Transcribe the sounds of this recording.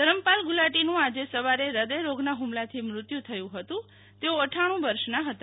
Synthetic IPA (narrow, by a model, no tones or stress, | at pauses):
t̪əɾəmpalɡulaʈinũad͡ʒesəʋaɾeɾəd̪əjɾoɡnaɦumlat̪ʰimɾʊt̪jut̪ʰəjũɦət̪ũ | t̪eoəʈʰaɽ̃ũʋəɾʃnaɦət̪a